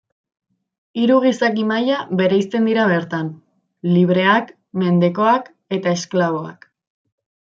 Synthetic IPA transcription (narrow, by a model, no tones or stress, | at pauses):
iɾuɣ̞isakimajaβe̞ɾejst̪e̞nd̪iɾaβe̞ɾt̪an | liβ̞ɾe̞ak | me̞nd̪e̞ko̞ak | e̞t̪ae̞sklaβ̞o̞a̰k